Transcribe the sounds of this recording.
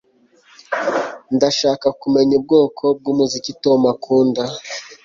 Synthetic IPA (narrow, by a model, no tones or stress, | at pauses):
ndaʃaːkakumeɲub̚ɡoːkʰob̚ɡumuzikitowmakʰuːnda